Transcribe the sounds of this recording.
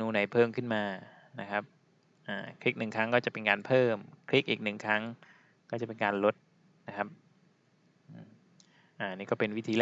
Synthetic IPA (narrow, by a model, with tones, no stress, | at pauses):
nuː˧˥na˧jpʰɤː˥˩mkʰɯ˥˩nmaː˧ | na˦˥kʰa˦˥p̚ | ʔaː˧˩kʰɾi˦˥k̚nɯ˨˩ŋkʰɾa˦˥ŋkɔː˥˩t͡ɕa˨˩pe˧nkaː˧npʰɤː˥˩mkʰɾi˦˥k̚ʔiː˨˩k̚nɯ˨˩ŋkʰɾa˦˥ŋ | kɔː˥˩t͡ɕa˨˩pe˧nkaː˧nlo˦˥t̪̚ | na˦˥kʰa˦˥p̚ | ʔ | ʔaː˨˩niː˥˩kɔː˥˩pe˧nwi˦˥t̪ʰiː˧lɛ˥˧